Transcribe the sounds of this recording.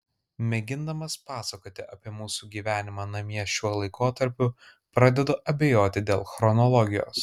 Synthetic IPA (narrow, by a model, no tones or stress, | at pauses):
mʲɛɡʲɪnd̪ɐmɐspɑːsɐkoːt̪ʲɪʔɐpʲiɛmuːsuːɡʲiːʋʲæːnʲɪmɑːnɐmʲiɛʃʲuɔlˠɐɪkoːt̪ɐɾʲpʲʊ | pɾɑːd̪ʲɛd̪oːʔɐbʲɛjoːt̪ʲɪd̪ʲeːlˠxɾɔnɔlˠɔɡʲɪjo̰ːs